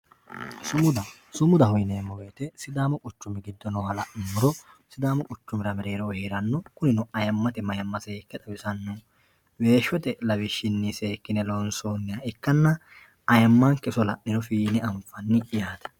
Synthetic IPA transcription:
sʊmʊd̪ɐ | sʊmʊd̪ɐhɔjneːmːɔweːt̪ɛsɪd̪aːmɔkʼʊt͡ʃːʊmːɪɡɪd̪ːɔnɔhɐlɐʔɪmʊɾɔsɪd̪aːmɔkʼʊt͡ʃːʊmɪɾɐmɛɾe̞ːɾɔheːɾɐnːɔkʊnɪnʊɐjɐmːɐt̪ɛmɐjɐmːɐseːkːɛt̪ʼɐbɪsɐnːʊ | we̞ːʃːɔt̪ɛlɐwɪʃːɪnːɪseːkːɪnɛlonsoːnːɪɐɪkːɐnːɐ | ɐjɐmːaŋkɛsɔlɐ̰ʔɪnɔfiːnɪɐmfɐnːɪɪjaːt̪ɐ̥

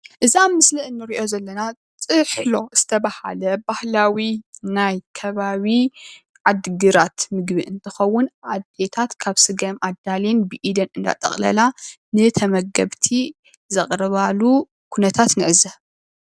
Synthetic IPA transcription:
ʔɨzamɨslɨʔɨnːɨɾiʔo̞zɐlːɐna | t͡sʼɨħlo̞z̥ɨt̪ʰɐβaha̰lɐbahlawinajkʰɐβaβi | ʕad̪ɡɨɾat̪mɨɡbɨʔɨnt̪ʰɨxɐwːʊnʔad̪e̞t̪ʰat̪kʰaβsɨɡɐmʔad̪alenbɨʔid̪ɐnɨnd̪a̰t̪ʼɐ̰χʼlɐ̰la | nɨt̪ʰɐmɐɡɐβt̪ʰi | zɐχʼɾɐβalu | kʰunɐt̪ʰat̪nɨʕɨzɐ

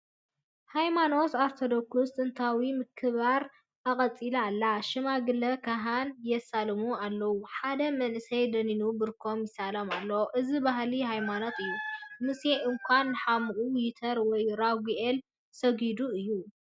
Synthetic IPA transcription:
hajmano̞saɾt̪ʰod̪okʰust̪ɨnt̪ʰawimɨkʰːɨβaɾ | ʔɐkʼɐt͡sʼilalːaʃɨmaɡɨlːɐkʰaɦanjɛsalmualːɐwuħad̪ɐmɐnʔɨsɐjd̪ɐninubɨɾkʰo̞mjɪsalɐmalːowʔɨzibaɦlihajmanot̪ʰɨjːumɨseʔɨŋkʷʰanːɨħamɨʔʼuwjit̪ʰɐɾwɔjɾaɡiʔel | sɐɡid̪uɨjːu

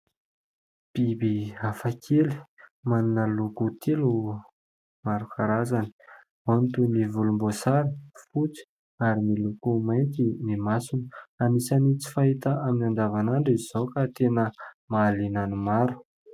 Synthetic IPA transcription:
b̥ibiafakʰeli̥manunəlukut̪ʰilu | maɾukʰaɾazani̥ | mant̪univulumbosaɾifut͡si̥ | aɾimilukumajnk̪inimasunə̥amisanit͡si̥faɦit̪əaminand̪avanaɳɖ͡ʐizzowkat̪enə | maːlinanimaɾu̥

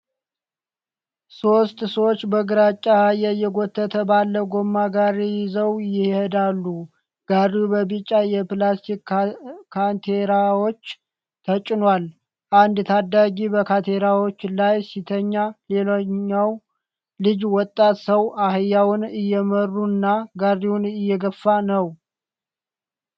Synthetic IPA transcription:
so̞st̪ʼsəwot͡ʃːbəɡɨɾat͡ʃʼːahajːɛjːɛɡot̪ʰːət̪ʰəbalːəɡo̞mːaɡaɾijɪzəwjɪhhed̪alːu | ɡ̥aɾubəbit͡ʃʼːajɛplast̪ʰikkʰant̪ʰeɾawo̞t͡ʃː | t̪ʰət͡ʃʼːɪnwal | ʔand̪t̪ʰad̪ːaɡibəkʰat̪ʰeɾawo̞t͡ʃːlajsit̪ʰəɲːale̞loɲːaw | lɨd͡ʒwɔt̪ʼːat̪səwahɨjːawʊnɨjːɛmərːunːaɡarːiwunɨjːɛɡəfːanəw

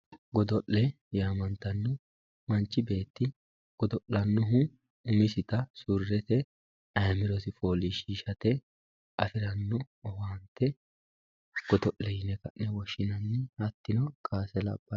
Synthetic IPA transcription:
ɡɔd̪ɔʔlɛ | jaːmɐnt̪ɐnːɔ | mɐnt͡ʃːɪbe̞ːt̪ːɪ | ɡ̥ɔd̪ɔʔːɐnːʊɦʊ | ʊmɪsɪt̪ɐsʊrːɛt̪ɛ | ɐjmɪɾɔsɪfo̞ːliʃiːʃɐt̪ɛ | ʔɐfɪɾɐnːɔ | ɔwaːnt̪ːɛ | ɡ̥ɔd̪ɔʔlɛjɪnɛkɐ̰ʔnɛwɔʃɪnɐnːɪhɐt̪ːɪnɔkʰaːsɛlɐ̰b̥ːɐ

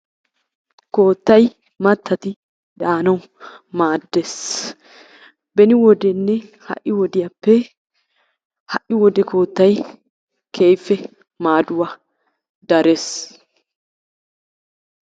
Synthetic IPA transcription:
ko̞ːt̪ːɐj | mɐt̪ːɐt̪ɪ | d̪aːnɐw | maːd̪ːes | bɛnɪwɔd̪ɛnːɛhɐ̰ʔːɪwɔd̪ɪjɐpːɛ | hɐʔɪwɔd̪ɛko̞ːt̪ːɐj | kʰejfːɛ | maːd̪ʊwɐ | d̪ɐɾes

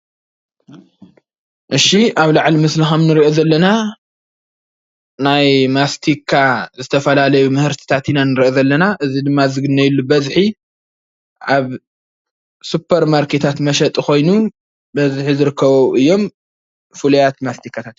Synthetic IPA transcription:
ʔɨʃiʔaβlaʕlimɨslɨxɐmnɨɾiʔozɐlːɐna | najmast̪ʰikʰːazɨt̪ʰɐfɐlalɐjumɨhɨɾt̪ʰi̥t̪ʰat̪inanɨɾiʔozɐlːɐnaʔɨzid̪ɨmːazɨɡɨnːɐjɪlːubɐzħi | ʔaβ | supʰːɐɾmaɾkʰe̞t̪ʰat̪mɐʃɐt̪ʼiko̞jnu | bɐzħizɨɾɨkːɐβoʔɨjːo̞m | fɨlujat̪mast̪ʰikʰːat̪ʰat̪

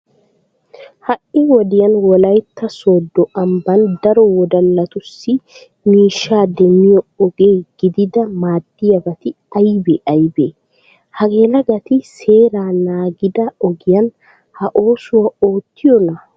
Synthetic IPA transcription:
hɐʔɪwɔd̪ɪjɐnwɔlɐjt̪ːɐsoːd̪ːɔʔɐmbɐnd̪ɐɾɔwɔd̪ɐlːɐt̪ʊsːɪ | miːʃːaːd̪ɛmːɪjɔɔɡeːɡ̥ɪd̪ɪd̪ɐmaːd̪ːɪjɐbɐt̪ɪ | ɐjbeʔɐjbeː | hɐɡeːlɐɡɐt̪ɪse̞ːɾaːnaːɡɪd̪ɐɔɡɪjɐn | hɐʔoːsʊwɐoːt̪ːɪjɔnɐ

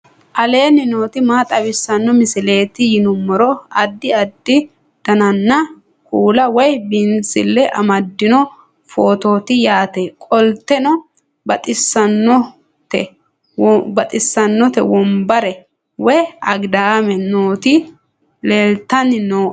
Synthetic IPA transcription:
ʔɐle̞ːnɪno̞ːt̪ɪmaːt̪ʼɐbɪsːɐnːɔmɪsɪle̞ːt̪ɪjɪnʊmːɔɾɔɐd̪ːɪɐd̪ːɪ | d̪̥ɐnɐnːɐ | kʰuːlɐwɔjbɪnsɪlːɛʔɐ̰mɐd̪ːɪnɔ | foːt̪o̞ːt̪ɪjaːt̪ekʼɔlt̪ːɛnɔ | bɐt̪ʼɪsːɐnːɔ | t̪ɛ | bɐt̪ʼɪsːɐnːɔt̪ɛwɔmbɐɾɛ | wɔjɐɡd̪amɛnoːt̪ɪ | leːlt̪ːɐnːɪnoː

